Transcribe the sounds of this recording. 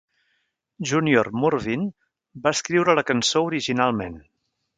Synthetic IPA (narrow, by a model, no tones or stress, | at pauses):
ʒuniormurβin | baəskɾiwɾələkənsouɾiʒinalˠmen